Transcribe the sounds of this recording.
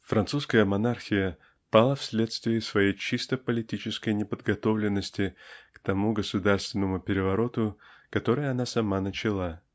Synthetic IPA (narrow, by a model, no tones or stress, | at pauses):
fɾɐnt̪suskəjəmɐnarxʲɪjə | palˠəfsʲlʲe̞t̪st̪vʲɪɪsvɐjejt͡ɕist̪əpəlʲɪtʲit͡ɕɪskəjnʲɪpəd̪ɡɐt̪o̞vlʲɪnːəsʲtʲɪkt̪ɐmuɡəsʊd̪arst̪vʲɪnːəmʊpʲɪɾʲɪvɐɾo̞t̪ʊkɐt̪o̞ɾɨjəɐnasɐmanət͡ɕɪlˠa